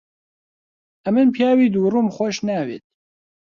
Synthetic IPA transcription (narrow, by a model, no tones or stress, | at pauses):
ɛmɨnpʰjaːwiːd̪uːruːmxʷɔʃnæːvḛt̪̚